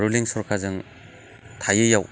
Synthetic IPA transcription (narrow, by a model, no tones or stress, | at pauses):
ɾuliŋsɔɾkʰazɯŋ | tʰajɯjaw